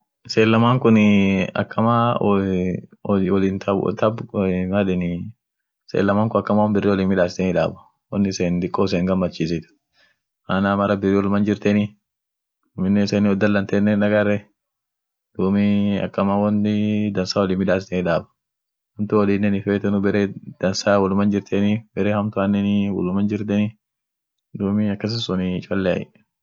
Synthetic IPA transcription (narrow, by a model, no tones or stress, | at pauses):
seːlːɐmaːŋkʊnɪɐ̰kːɐma | wɔlint̪ɐt̪ɐbɐᶑɪnɪ | sḛːlːɐmaːŋkʊnɐkːɐmaːwɐnbɪrːɛwɔliːmɪᶑaːsɪt̪ɛnɪᶑa̰ːbɐ̥ | wɔnːɪseːnd̪ɪkʼːoːs̬eːŋɡɐmːɐt͡ʃːiːs̬ɪt̪ʊ̥ | ʔanaːmɐɾɐbɪrːiːwɔlmɐnd͡ʒɪɾt̪ɛnɪ | mɪnːɛseːnɪɔd̪ːɐlːɐnt̪eːnːɛnᶑɐɡɐrːɛ | d̪̥uːmiɐ̰kːɐmawɐnːɪd̪ɐnsaːwɔliːmɪᶑaːs̬ɪ̥t̪enɪᶑaːbɐ̥ | ɐnt̪ʊwɔliːnːɛnɪfeːt̪ɛnʊbɛɾeːd̪̥ɐnsaːwɔlʊmɐnd͡ʒɪɾt̪ʰenibɛɾeːhɐmt̪ʊɐnːɛnɪwɔ̰lʊmɐnd͡ʒɪɾt̪ɛnɪ | d̪uːmiɐkːɐs̬ɪsʊnɪt͡ʃʼɔlːɛɐ̰jɪ̰